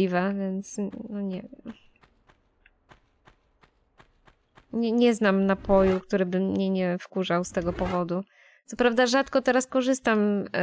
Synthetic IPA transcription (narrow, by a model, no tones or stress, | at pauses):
ivɛvʲjɛnt̪snɔɲɛ | ɲɛɲɛznamnapɔjukt̪uɾɘbɘmːɲɛɲɛfkuʐawst̪ɛɡɔpɔvɔd̪u | t̪sɔpɾavd̪aʐat̪kɔt̪ɛɾaskɔʐɘst̪am